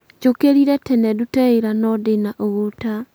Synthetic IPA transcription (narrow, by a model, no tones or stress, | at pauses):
t͡ʃokeɾiɾɛtɛnɛdutɛeɾanɔdenaʔoɣota